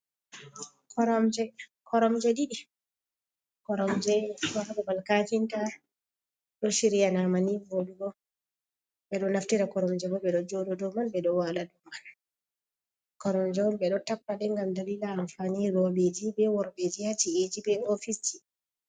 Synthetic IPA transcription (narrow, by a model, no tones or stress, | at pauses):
kʰɔɾɔmd͡ʒɛkʰɔɾɔmd͡ʒɛɗiɗi | kɔɾɔmd͡ʒɛwaɾdɛbalkad͡ʒinta | ɗɔʃiɾijanamanivoduɡɔ | ɓɛɗɔnaftiɾakɔɾɔmd͡ʒɛbɔbɛɗɔd͡ʒɔdɔdɔmanbɛɗɔwaladɔman | kɔɾɔmd͡ʒɛwɔlbɛɗɔtapːaɗɛŋɡamdalilaːnfaniɾɔbed͡ʒibɛwɔɾbed͡ʒijatied͡ʒibɛofisi